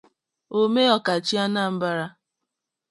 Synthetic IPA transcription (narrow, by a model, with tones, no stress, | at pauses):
o˦me˦ɔ˨ka˨t͡ʃi˦a˦na˦˨m̩˦ba˦ɾa˦